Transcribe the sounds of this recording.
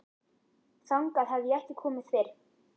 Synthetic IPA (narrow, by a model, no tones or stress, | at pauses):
θawŋkaðɦavðiɛhcɪkʰɔːmɪð̥θfɛɾ